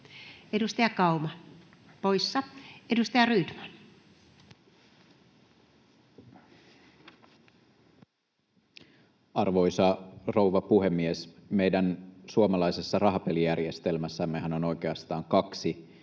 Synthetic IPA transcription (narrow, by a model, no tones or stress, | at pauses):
edust̪ɑjɑkɑumɑ | po̞ijsːɑedust̪ɑjɑryːt̪mɑ̥n | ɑrʋo̞jsɑro̞wʋɑpuɦe̞mːiesme̞jdænsuomɑlɑjse̞sːɑrɑɦɑpe̞lijærje̞st̪e̞lmæsːæmːeɦæno̞no̞jk̟e̞ɑst̪ɑːŋkɑksi